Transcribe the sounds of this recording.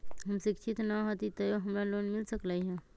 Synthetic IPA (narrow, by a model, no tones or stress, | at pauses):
ɦɐmʃɪkʃʰɪt̪naɦat̪it̪ɐjoɦɐmɾaloːnmɪlsəklaiɦɛ̃ː